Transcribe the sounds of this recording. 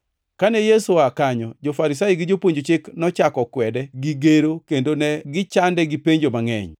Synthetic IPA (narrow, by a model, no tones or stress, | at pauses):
kanɛjesuakaɲɔd͡ʒofaɾis̬aiɡɪd͡ʒopwoɲd͡ʒot͡ʃɪknɔt͡ʃakɔkwɛdɛɡiɡeɾokendonɛɡɪt͡ʃandɛɡɪpeɲd͡ʒomaŋɛ̰ɲ